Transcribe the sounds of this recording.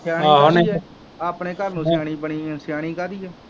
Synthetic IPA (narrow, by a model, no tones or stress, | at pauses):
sɪjãːaːɦoneɛː | aːpneːkəɾnũːsɪjaːɽ̃iːbəɳiːsɪjaːɽ̃iːkəd̪iːɦɛː